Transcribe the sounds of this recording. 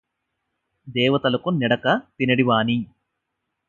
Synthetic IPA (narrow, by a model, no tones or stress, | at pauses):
d̪ɛːʋɐt̪ɐlɐkunɛɽɐkɐp̪inɐɽiʋaːni